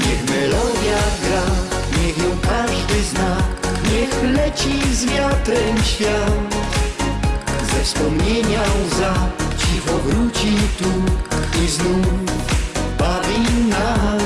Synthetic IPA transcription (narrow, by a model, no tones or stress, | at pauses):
ɲɛxmɪlɔvjaɡɾa | ɲɛɣjɛwkaʒd̪ɪznakɲɛxplɛt͡ʃizvjat̪ɾɛmʃal | zɛfspɔmɲɛɲazat͡ʃiɦɔvɾut͡ʃit̪uɪznu | bavina